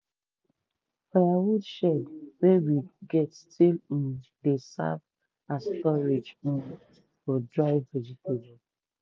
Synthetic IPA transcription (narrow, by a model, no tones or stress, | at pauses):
fajawudʃɛdwewiɡɛtstʰilĩndesa̰v | astɔɹed͡ʒũ | fɔdɹaɪed͡ʒipod͡ʒɛ